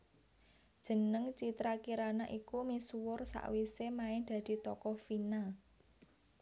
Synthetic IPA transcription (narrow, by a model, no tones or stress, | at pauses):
d̥ʒ̥ə̤nəŋt͡ʃit̪ɾakiɾanaʔikumisuwʊrsa̰ʔwisemaɪŋd̪̥ä̤d̪̥i̤t̪ɔkɔfina